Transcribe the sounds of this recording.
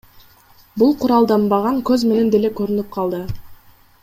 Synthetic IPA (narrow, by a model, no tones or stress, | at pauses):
bulˠqʰʊɾɑlˠd̪ɑmbɑʁɑŋkøzme̞ne̞nd̪e̞le̞køɾynyp̚qʰɑlˠd̪ɯ